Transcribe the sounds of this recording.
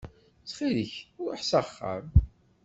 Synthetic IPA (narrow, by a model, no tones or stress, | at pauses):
sχiɾəçʊɾħsaχːə̰m